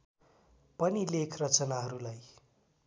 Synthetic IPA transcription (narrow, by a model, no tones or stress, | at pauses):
pʌnilekʰrʌt͡sʌnaɦʌɾulaj